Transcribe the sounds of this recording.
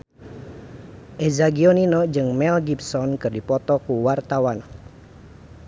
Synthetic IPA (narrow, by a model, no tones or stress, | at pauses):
ʔezaɡioninɔd͡ʒɨŋmɛlɡipsɔnkɨrdipɔt̪ɔkuwart̪awan